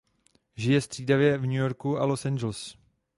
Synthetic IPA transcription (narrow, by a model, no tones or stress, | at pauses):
ʒɪjɛst̪r̝̥iːdavjɛvɲujo̞ɾkuʔalosand͡ʒɛls